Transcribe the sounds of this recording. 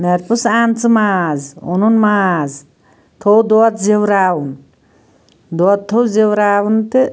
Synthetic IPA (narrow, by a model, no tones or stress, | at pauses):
neɾpusaːnt͡sɨmaːzṵnunmaːz | t̪ʰowd̪ot̪zewɾaːwun | d̪ot̪ʰːowzewɾaːwunt̪i